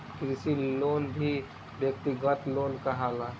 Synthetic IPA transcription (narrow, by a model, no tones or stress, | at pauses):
kɾɪsiloːnbʱi | bjək̚t̪iɡət̪loːnkəɦala